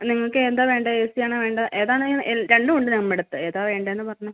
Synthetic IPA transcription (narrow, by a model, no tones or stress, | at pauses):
niŋːɐɭokːeend̪aːʋe̞ːɳɖɐeːsijaːɳɨʋeːɳɖɐʔeːðaːɳɨeɾe̞ɳɖɨuɳɖɨnɐmːeɽut̪ːɨeːðaːʋe̞ːɳɖɐenːɨpɐrɐɲːu